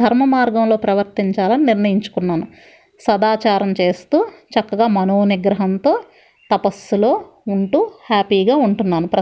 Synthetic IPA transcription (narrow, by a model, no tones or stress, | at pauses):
d̪ʱɐɾmɐmaːɾɡɐmlo̞ːpɾɐʋɐɾt̪iɲt͡ʃaːlɐniniɾnɐjiɲt͡ʃu̥kunːaːnu | sɐd̪aːt͡ʃaːɾɐmt͡ʃe̞ːst̪uːt͡ʃɐkːɐɡaːmɐnoːniɡɾɐɦɐnt̪o̞ː | t̪ɐpɐsːulo̞ːuɳʈuːhaːpiːɡaːuɳʈunːaːnupɾɐ